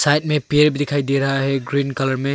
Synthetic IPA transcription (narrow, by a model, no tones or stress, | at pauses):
sajt̚mepiɾbidikʰajdeɾaɦeɡɾinkɐlɐɾme